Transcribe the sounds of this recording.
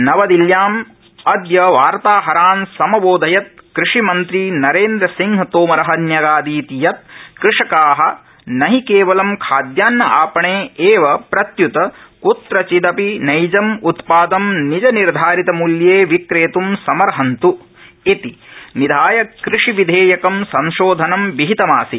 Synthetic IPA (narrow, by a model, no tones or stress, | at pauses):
nɐʋɐd̪iljaːm | ɐd̪jɐʋaːɾt̪aːɦɐɾaːnsɐmɐboːd̪ʱɐjɐt̪̚kɾɪʂimɐnt̪ɾinɐɾeːnd̪ɾɐsiŋɡʱɐt̪oːmɐɾɐɦɐnjɐɡaːd̪iːt̪ijɐt̪̚kɾɪʂɐkaːɦɐ̆ | nɐɦikeːʋɐlɐmkʰaːd̪jaːnːɐʔaːpɐɳeːeːʋɐpɾɐt̪jut̪ɐkut̪ɾɐt͡ʃid̪ɐpinɐjd͡ʒɐmut̪paːd̪ɐmnid͡ʒɐniɾd̪ʱaːɾit̪ɐmuljeːʋikɾeːt̪umsɐmɐɾɦɐnt̪u | it̪inid̪ʱaːjɐkɾɪʂiʋid̪ʱeːjɐkɐmsɐ̃ŋʃoːd̪ʱɐnɐmʋiɦit̪ɐmaːsi